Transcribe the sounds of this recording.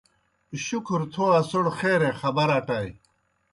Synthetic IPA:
ɕukʰɾt̪ʰoasoɽxeːɾexɐbɐɾaːʈaːj

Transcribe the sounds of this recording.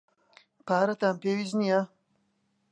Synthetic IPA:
pʰaːɾɐt̪aːmpeːwiznija

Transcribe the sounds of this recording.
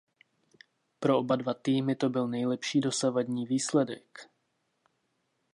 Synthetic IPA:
pɾo̞ʔobadvat̪iːmɪt̪o̞bɪlnɛjlɛpʃiːdo̞savadɲiːviːslɛdɛ̰k

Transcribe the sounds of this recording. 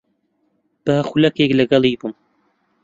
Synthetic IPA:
b̥axulɐkeklɐɡɐlˠibum

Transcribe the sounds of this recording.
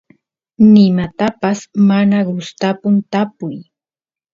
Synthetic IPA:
nɪmat̪apasmanaɢʊst̪apʊnt̪apʊj

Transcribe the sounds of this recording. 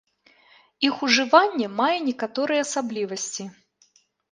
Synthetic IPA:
ixuʐɨvanʲːɛmajɛnʲɛkat̪ɔɾɨjɛɐsablʲivɐsʲt͡sʲi

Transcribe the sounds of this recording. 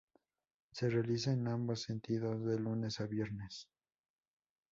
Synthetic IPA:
se̞realis̬aenambasːent̪iðozðe̞lune̞saβje̞ɾnes

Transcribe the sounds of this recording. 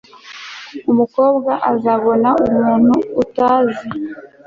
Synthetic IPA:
umuko̞ːbɡaʔazaβo̞naumuːn̥huːtaːzi

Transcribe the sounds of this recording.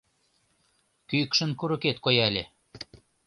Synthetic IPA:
kykʃə̆nkuɾə̆ket̪kojælʲe

